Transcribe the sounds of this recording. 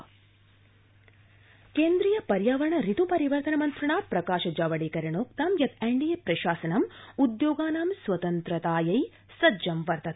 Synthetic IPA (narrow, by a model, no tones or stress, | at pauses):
keːnd̪ɾijɐpɐɾjaːʋɐɾɐɳɐɾit̪upɐɾiʋɐɾt̪ɐnɐmɐnt̪ɾɐɳaːpɾɐkaːʃɐd͡ʒaːʋɐɽiːkɐɾɐɳoːk̚t̪aːmjɐt̪eɳɖijepɾɐʃaːsɐnɐmud̪joːɡaːnaːmsʋɐt̪ɐnt̪ɾɐt̪aːjɐj | sɐd͡ʒɐmʋɐɾt̪ɐt̪̚